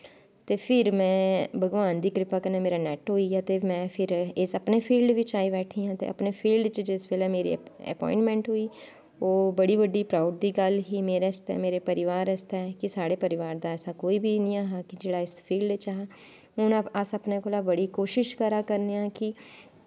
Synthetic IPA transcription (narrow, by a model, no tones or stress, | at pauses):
t̪eːpʰɪɾmɛ̃ːbəɡʋaːnd̪iːkɾɪpaːkəneːmeːɾaːnɛːʈɦoːiːaːt̪eːmɛ̃ːpʰɪɾɪsəpneːpʰiːlɖʋɪt͡ʃaːibɛːʈʰĩːãːt̪ḛːʔə̰pneːpʰiːlɖt͡ʃəd͡ʒɪsbeːlɛːmeːɾḭə̰pɔ̰̃ːɪ̃ɳʈmɛ̃ːɳʈɦoːiː | oːbəɽiːʋəɖːiːpɾaːʊɖ̚d̪iːɡəlɦiːmeːɾeːst̪ɛ̰ːmeːɾeːpəɾɪʋaːɾɛst̪ɛɛkɪsaːɽeːpəɾɪʋaːɾd̪aːɛːsaːkoːiːbʱiːnĩːaːɦaːkɪd͡ʒeːɽaːɪspʰiːlɖt͡ʃaɦaː | ʊnəsəpneːkoːlaːbəɽiːkoːʃɪʃkəɾaːkəɾneãːkɪ